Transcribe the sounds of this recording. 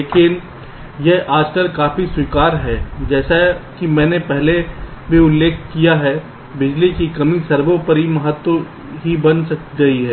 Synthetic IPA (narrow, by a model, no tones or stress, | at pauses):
leːkɪn | jɛʔaːd͡ʒkəlkaːfiswiːkaːɾɦɛːd͡ʒɛːsaɦkimɛ̃ːnepɛɦle | bʱiʊlːeːkʰkijaɦɛ | bɪd͡ʒlikikɐmĩsɐɾbõpɐɾimɐɦət̪wo | ɦibɐnsɐk̚ɡɐiɦɛː